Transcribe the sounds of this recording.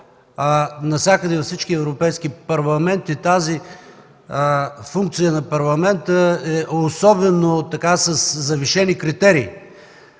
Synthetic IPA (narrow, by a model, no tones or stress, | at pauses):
nɐfsʲakəd̪ɛvɐfsit͡ʃk̟iɛvɾʊpɛjskipɐɾlˠɐmɛnt̪it̪azi | fuŋk̚t̪sijənɐpɐɾlˠɐmɛnt̪əɛosɔbɛnot̪ɐkasɐsːɐviʃɛnikɾit̪ɛɾiː